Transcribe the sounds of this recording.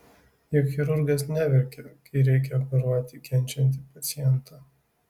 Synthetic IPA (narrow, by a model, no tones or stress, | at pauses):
jɛxʲɛɾʊɾɡʲɛsnʲæʋʲɛɾʲkʲɛkɐɪɾʲɛɪk̬ʲɛɐppɐɾɑːt̪ʲɪkʲɛnʲˑt͡ʃʲɛnʲt̪ʲɪpɐt̪sʲɪjɛnt̪ʰaː